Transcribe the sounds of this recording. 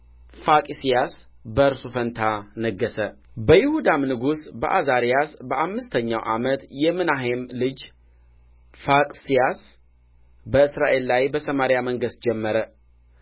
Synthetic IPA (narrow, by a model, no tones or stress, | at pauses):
fakʼisijas | bəɨɾsufənt̪ʰanəɡːəsə | bəjɪhud̪amnɨɡusbəʔazaɾijasbəʔamːɨst̪ʰəɲːawʔa̰mət̪jɛmɨnaɦemlɨd͡ʒ | fakʼsijas | bəɨsɾaʔe̞lːajbəsəmaɾijaməŋɡəst̪̚d͡ʒɛmːəɾə